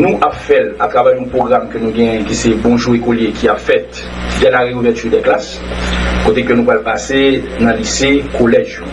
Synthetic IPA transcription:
nũʔapfɛlat̪ʁavɛʁjɔ̃pʁoɡʁamkønũɡɛ̃jɛ̃kisɛbɔ̃ʒuekoljekʰiapfɛt̪ | d̪ɛlaʁeuvɛt͡ʃyd̪ɛklas | kot̪ekønũpalpasenɐ̃lisekʰolɛʒ

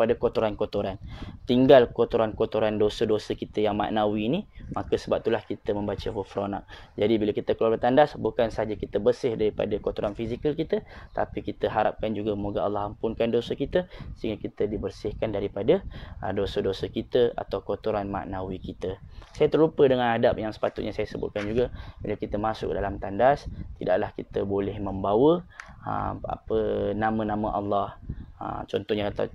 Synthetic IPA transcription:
padakot̪oɾankot̪oɾant̪iŋɡalkot̪oɾankot̪oɾandosədosəkit̪əjaŋmã̰ʔnawiːnimakəsəbap̚t̪ulahkit̪əmə̃mbat͡ʃəɦufɾona̰k̚d͡ʒadibilakit̪əkluarbət̪andasbukansəɦad͡ʒakit̪əbərsɪhdaɾipa̰dakot̪oɾanfizikəlkit̪ət̪a̰pikit̪əɦaɾa̰p̚kand͡ʒuɡamoɡaa̰lːɑɦampʊnkandosəkit̪əsəɦiŋɡakit̪ədibərsɪhkandaɾipadədosədosəkit̪əa̰t̪awkot̪oɾanma̰ʔnawikit̪əsajat̪ərlupədəŋanadap̚jaŋsə̥pat̪ʊt̪̚ɲasajasəbʊ̰t̪̚kand͡ʒuɡabilawkit̪əmasʊ̰k̚dalamt̪andast̪ida̰ʔlahkit̪əbolɪhməmbawəə̰a̰pənamə̃nãmə̃ʔɑlːɑhə̰t͡ʃɔnt̪ɔhɲat̪a̰

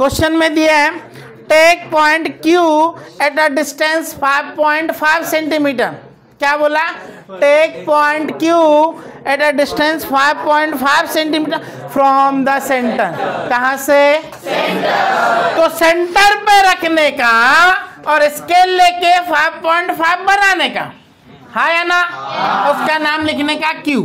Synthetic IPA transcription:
kwosʃənmẽd̪ia | ʈeːk̚pɔɪ̃ɳʈkjuɛʈəɖɪsʈẽnsfaɪʋpɔːɪ̃ɳʈfaɪʋsẽɳʈimiːʈəɾ | kjaːboːla | ʈeːk̚pɔɪ̃ɳʈkjuɛʈəɖɪsʈə̃nsfaɪʋpɔ̃ːɪ̃ɳʈfaɪʋsẽɳʈimiːʈəɾ | fɾɔːmd̪əsɛ̃ɳʈəɾkɐɦãse | t̪osẽɳʈəɾpeɾɐkʰneka | ɔːɾɪskeleːkefaɪʋpɔ̃ːɪ̃ɳʈfaɪʋbɐnaːneka̰ | haːjanaʊskanaːmlɪkʰnekakjuː

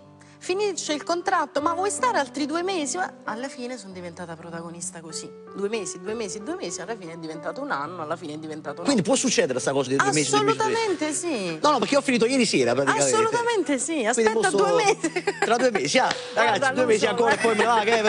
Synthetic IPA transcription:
finit͡ʃːeilkont̪ɾat̪ːomavwɔjst̪aːɾealt̪ɾid̪uːemeːziaalːafiːnesond̪ivent̪aːt̪apɾot̪aɡonist̪akosi | d̪uːemeːsied̪uemeːsied̪uːemeːsialːafiːneɛd̪ːivent̪aːt̪ounanːoalːafiːneɛd̪ːivent̪aːt̪okwind̪ip̬wɔsːut͡ʃːɛːd̪eɾest̪akɔːsad̪id̪ameːsiːolust̪ament̪esinɔnːɔpeɾkiɔfːiniːt̪ojɛːɾisɛːɾapɾat̪iakasːolut̪ament̪esiaswid̪itpɔoad̪uemeːziɾad̪uːemeːsia | ɾaɡat̪st̪ːiad̪uːemeːsiaŋkɔːɾaepːɔjmevakɛ

